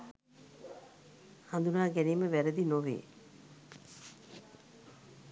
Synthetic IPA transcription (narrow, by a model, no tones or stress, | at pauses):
hɐnd̪unaːɡɛniːməʋæɾed̪inoʋḛː